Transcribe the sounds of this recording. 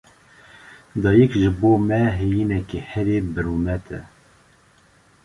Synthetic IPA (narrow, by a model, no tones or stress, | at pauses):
d̪ɑːjɛkʒɨboːmɛɦejiːnɛkehɛɾeːbɨɾuːmɛt̪ʰɛ̰